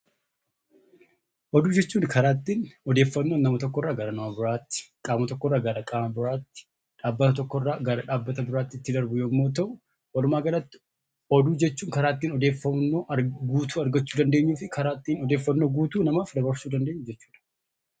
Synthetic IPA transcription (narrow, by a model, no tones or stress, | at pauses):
ʔɔd̪uːd͡ʒɛt͡ʃːuːnkʰɐɾaːt̪ːiːnɔd̪e̞ːfːɐnːo̞ːnːɐmɐt̪ɔkːɔrːaːɡɐɾɐnɐmabɪɾaːt̪ːɪ̥kʼaːmɐt̪ɔkːɔrːaːɡɐɾɐkʼaːmɐbɪɾaːt̪ːɪ̥ | ᶑaːbːɐt̪ɐt̪ɔkːɔrːaːɡɐɾɐᶑaːbːɐt̪ɐbɪɾaːt̪ːɪɪt̪ːɪd̪ɐɾbʊjoːmːo̞ːt̪ɐʔʊ | wɐlʊmaːɡɐlɐt̪ːɪ̥ | ɔd̪uːd͡ʒɛt͡ʃːuːŋkɐɾaːt̪ːiːnɔd̪e̞ːfːɐnːo̞ːʔɐɡuːt̪uːɐɾɡɐt͡ʃːuːd̪ɐnd̪e̞ːɲːuːfɪkɐɾaːt̪ːiːnɔd̪e̞ːfːɐnːoːɡuːt̪uːnɐmaːfd̪ɐbɐɾsuːd̪ɐnd̪e̞ːɲːʊd͡ʒɛt͡ʃːuːᶑɐ̥